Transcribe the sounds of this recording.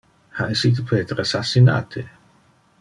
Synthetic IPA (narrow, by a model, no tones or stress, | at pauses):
haesit̪̬opʰeːt̪ɾasasːina̰ːt̪ʰe